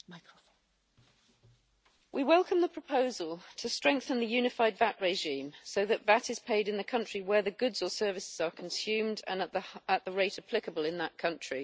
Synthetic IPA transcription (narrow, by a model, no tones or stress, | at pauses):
maɪk | wʔiwɛlˠkʰə̃mðəpʰɹ̥əpʰəʊzəlˠtʰəstɹ̥ɛ̃ŋk̚θə̃nðəjʉːnɪfaɪdvaʔɹeɪʒĩːmsəʊðəʔvatɪz̥pʰeɪdɪ̃nðəkʰʌ̃nt͡ʃɹ̥iwəðəɡʊdz̥əsɜːvɪsɪz̥əkʰə̃nsjʉ̃ːmdə̰̃nəðəəʔðəɹeɪtəpʰl̥ɪkəbəlɪ̃nðəʔkʰʌ̃nt͡ʃɹ̥i